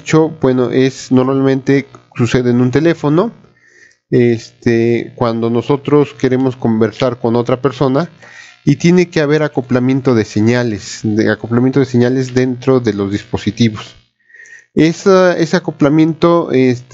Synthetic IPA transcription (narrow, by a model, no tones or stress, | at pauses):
t͡ʃo̞bwe̞noʔesno̞ɾmalmẽ̞nt̪e̞suse̞ðeːnũnt̪e̞le̞fo̞no̞ | est̪ekwand̪o̞no̞so̞t̪ɾo̞ske̞ɾe̞mo̞sko̞mbe̞ɾsaɾko̞no̞t̪ɾape̞ɾso̞nait̪je̞ne̞ke̞aβe̞ɾako̞plamjẽ̞nt̪o̞ðe̞se̞ɲalesakoplamjent̪oðes̬e̞ɲale̞zðe̞nt̪ɾo̞ðe̞lo̞zðispo̞sit̪iβo̞s | esae̞seako̞plamjẽ̞nt̪oest̪